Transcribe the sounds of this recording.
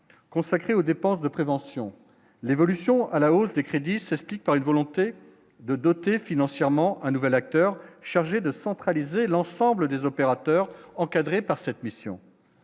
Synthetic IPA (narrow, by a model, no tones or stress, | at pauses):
kɔ̃sakχeod̪epɑ̃sd̪əpχevɑ̃sjɔ̰̃ | levɔlysjɔ̃ʔalaosd̪ekχed̪isɛsplik̚paʁynvɔlɔ̃t̪e | d̪əd̪ɔt̪efinɑ̃sjɛʁmɑ̃ʔɛ̃nuvɛlak̚t̪œʁʃaʁʒed̪əsɑ̃t̪χalizelɑ̃sɑ̃bləd̪ezɔpeʁat̪œʁɑ̃kad̪ʁepaʁsɛt̪misjɔ̰̃